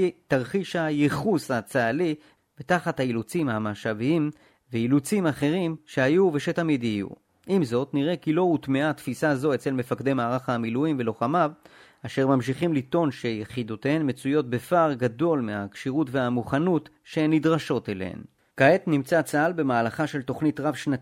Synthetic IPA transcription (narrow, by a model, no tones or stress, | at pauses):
taʁχiʃhajeχushat͡saːli | betaχathailut͡simhamaːʃaviim | veilut͡simaχe̞ʁimʃehajuve̞ʃe̞tamidjijṵ | ʔimzo̞tniʁe̞kilo̞utmeat̪fisazo̞et͡se̞lme̞fakde̞jmaːʁaχamiluimvelo̞χamav | aʃe̞ʁmamʃ̬iχimlito̞nʃe̞jeχid̪otehenme̞t͡sujo̞t̚be̞faʁɡado̞lmeakʃiʁutve̞amuχanut | ʃe̞nidʁaʃo̞telḛhḛn | kaetnimt͡sat͡salbe̞maːlaχaʃe̞lto̞χnitʁavʃnat